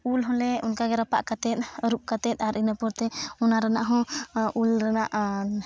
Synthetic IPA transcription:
ulɦɔ̃lɛunkaɡɛɾapaʔkat̪ɛt̪̚ˀɾup̚kat̪ɛt̪̚aɾʔinapɔɾt̪ɛɔnaɾanaʔɦɔ̃ʔulɾanaʔ

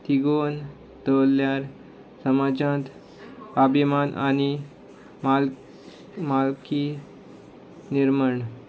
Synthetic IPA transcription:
t̪iɡon | t̪əljaɾ | səmad͡ʑãt̪ | abʱimanʔañi | mal | malki | niɾməɳ

